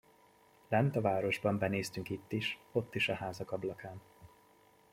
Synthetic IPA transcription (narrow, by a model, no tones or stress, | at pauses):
lɛnt̪ɒvaːɾo̞ʒbɒmbɛneːst̪yŋkit̪ːiʃo̞t̪ːiʃɒhaːzɒkɒblɒkaːn